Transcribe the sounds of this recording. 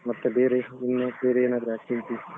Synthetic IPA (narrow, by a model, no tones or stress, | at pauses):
mɐt̪ːebeːɾeinːebeːɾeːnaːd̪ɾjaːkt̪ilt̪i